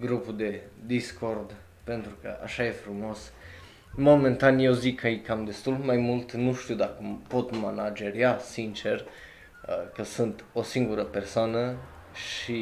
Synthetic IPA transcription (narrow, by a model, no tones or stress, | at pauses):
ɡɾupud̪e̞d̪iskʰo̞rd̪ | pent̪ɾukə̰ʔa̰ʃajefɾumo̞s | mo̞ment̪anjewzikʰːəikamd̪e̞st̪ulmajmult̪nuʃt̪iwd̪akəpo̞t̪manad͡ʒe̞ɾjasint͡ʃe̞r | əkəsunt̪o̞siŋɡuɾəpe̞rsoanə | ʃi